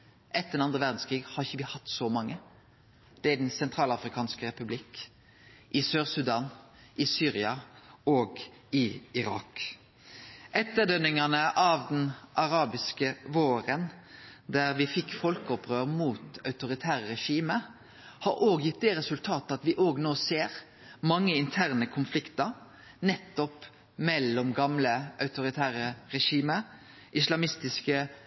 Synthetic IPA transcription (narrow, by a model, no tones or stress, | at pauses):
ʔɛt̪ːd̪ɛnɑnd̪ʁəʋæʁd̪n̩skʰʁiːɡhɑɾɪçəʋɪhɑt̪ːsɔmɑŋːə | d̪̥ɛæɖɛnsɛnt̪ʰʁɑːlɑfɾɪkʰɑːnskəʁɛpʉblɪk | ʔɪsøːʁsʉd̪ɑːn | ʔɪsyːʁɪɑoːɡ | ɪɪɾɑ̰ːk | ʔɛt̪ːəd̪œnːɪŋɑnəʔɑːʋd̪ɛnʔɑʁɑːbɪskəʋoːɾənd̪æʁʋɪfɪkːfɔlkəɔpʁøːɾmuːt̪ɑʉt̪ʊɾɪt̪ʰæːʁəʁɛʃiːmə | hɑɾoːɡjɪt̪̚d̪ɛːɾɛsʉlt̪ʰɑːt̪əɑt̪ʋɪʔoːɡnoːseːɾ | mɑŋːəɪnt̪ʰæʁnəkʰʊnflɪkt̪ə | nɛt̪ːɔp | mɛlːɔmɡɑmləʔɑʉt̪ʊɾɪt̪ʰæːɾəɾɛʃiːmə | ʔɪslɑmɪst̪ɪskə